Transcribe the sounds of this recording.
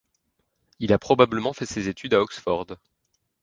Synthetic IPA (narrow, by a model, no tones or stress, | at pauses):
ilapχɔbabləmɑ̃fɛsezet̪yd̪aɔksfɔʁd̪